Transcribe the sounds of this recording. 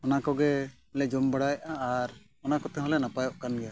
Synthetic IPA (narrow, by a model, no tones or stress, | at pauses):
ɔnakɔɡɛ | lɛd͡ʒɔmbəɽajʔaːɾ | ɔnakɔt̪ɛɦɔlɛnapajɔʔkanɡɛja